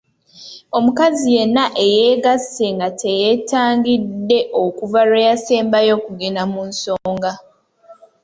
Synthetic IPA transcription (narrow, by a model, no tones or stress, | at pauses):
o̞mukazije̞nːaʔe̞jeːɡase̞ŋɡatʰe̞jetaːŋɡidːe̞ʔo̞kuvaɾejase̞ːmbajo̞ːkuɡenamunso̞ːŋɡa